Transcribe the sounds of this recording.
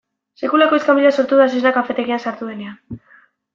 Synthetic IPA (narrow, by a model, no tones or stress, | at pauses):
se̞kulako̞iskamiliaso̞ɾt̪uðasisnakafe̞t̪e̞ɣiasaɾt̪uðe̞nean